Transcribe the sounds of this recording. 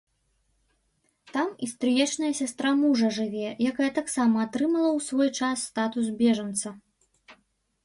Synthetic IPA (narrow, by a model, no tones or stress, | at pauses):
t̪amist̪ɾɨjɛt͡ʂnɐjɐsʲast̪ɾamuʐɐʐɨvʲɛjakajɐt̪aksamɐːt̪ɾɨmɐlˠɐwsvɔjt͡ʂasːt̪at̪usbʲɛʐɐnt̪sɐ